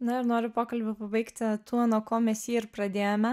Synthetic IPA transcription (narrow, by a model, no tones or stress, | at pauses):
nʊɪɾnoːɾʲʊpoːkɐlʲbʲʊpɐbɐɪkt̪ʲt̪uɔnuɔkoːmʲɛsiːɪɾpɾɐd̪ʲeːjomʲɛ